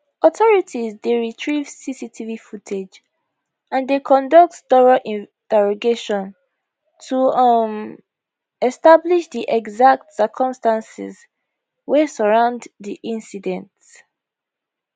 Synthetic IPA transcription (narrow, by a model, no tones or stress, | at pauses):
ɔtʰɔɹitʰizdeɹitʰɹivsisitʰivifutʰed͡ʒ | ãndekʰɔ̃ndɔk̚tstɔɹaʔĩ | d̥ɛɹɔɡeʃɔ̃n | tʰum | ɛstabliʃdiʔɛɡzak̚tsɜkʰɔ̃mstãnsḭz | wɛsəɹãʊ̃ndðiʔĩnsidɛ̃nts